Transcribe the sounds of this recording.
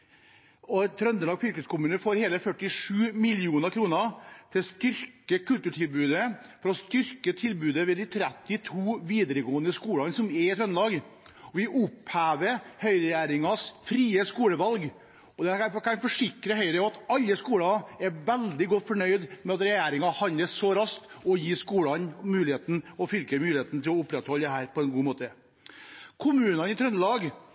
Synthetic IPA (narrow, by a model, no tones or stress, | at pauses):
ɔt̪ʰɾœnd̪əlɑːɡfʏlkəskʊmʉːnəfoːɾheːləfœʈːɪʂʉːmɪlɪuːnəɾkʰɾuːnəɾt̪ʰɪlst̪ʏɾkəkʰʉlt̪ʉʈʰɪlbʉːd̪ə | fɔɾɔst̪ʏɾkət̪ʰɪlbʉːd̪əʋɛːd̪ɪt̪ʰɾɛt̪ːɪt̪ʰuːʋiːd̪əɾəɡoːənd̪əskuːlɑnsɔmɛɾɪt̪ʰɾœnəlɑːɡ | ɔʋɪʔʊphæːʋəɾhœʏɾɛjæːɾɪŋɑsfɾiːəskuːləʋɑlɡ | ɔd̪ɛɑnkʰɑnfɔʂɪkɾəhœʏɾəɑt̪ɑlːəskuːɽɑɛɾʋɛld̪ɪɡɔt̪ːfɔɳœʏd̪mɛɑt̪ɾɛjæːɾɪŋɑhɑnəssɔɾɑst̪ | ɔjiːskuːɑnmʉːlɪheːt̪n̩ɔfʏlkəmʉːlɪeːt̪n̩t̪ʰɪlɔʊpːɾɛt̪hɔlːəd̪ɛɦæːɾpʰɔɛnɡuːmoːt̪ə | kʰʊmʉːnɑnɪt̪ʰɾœnlɑːɡ